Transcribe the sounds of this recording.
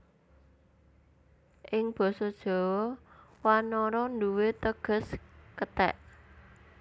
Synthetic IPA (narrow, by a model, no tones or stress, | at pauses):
ʔɪŋb̥ɔ̤sɔd̥ʒ̥ɔ̤wwanɔɾɔnduwet̪əɡ̥ə̤skət̪ɛ̰ʔ